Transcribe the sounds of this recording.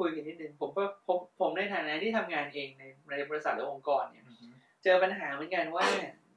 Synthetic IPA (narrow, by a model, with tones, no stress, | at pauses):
kʰu˧jka˧iː˥˩nɯ˨˩ŋpʰo˩˦mkɔː˥˩o˦˥pʰːo˩˦mna˧˩jt̪ʰaː˨˩˦naː˦˥t̪ʰiː˥˩t̪ʰa˧mŋaː˧nʔeː˧ŋna˧jna˧jbɔː˧lsa˨˩lɛ˦˥ʔo˧ŋkɔː˧nːi˦˥˩ | t͡ɕɤː˧pa˧nɦaː˨˩˦mɯ˩˦nka˧nwaː˥˩ni˧˥˩